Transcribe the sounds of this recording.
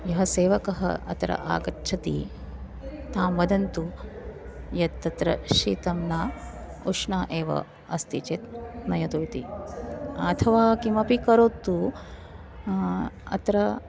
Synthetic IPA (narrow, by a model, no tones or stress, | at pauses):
jɐɦɐseːʋɐkɐɦɐ̰ɐ̰t̪ɾɐ̰ʔa̰ːɡɐtt͡ʃʰɐt̪ḭ | t̪aːmʋɐd̪ɐnt̪u | jɐt̪ːɐt̪ɾɐ̰ʃḭːt̪ɐmnaː | uʂɳaːʔeːʋɐ̰ | ɐst̪it͡ʃeːt̪̚nɐjɐt̪uʋit̪ḭ | ɐt̪ʰɐʋaːkimɐpikɐɾoːt̪ːu | ɐ̰t̪ɾɐ